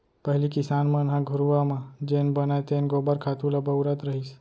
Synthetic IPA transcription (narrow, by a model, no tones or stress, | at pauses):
pəɦlikɪsanmãnɦãɡʱuɾuʋamãd͡ʒenbənajt̪enɡobaɾkʰat̪ulabəwɾat̪ɾəɦis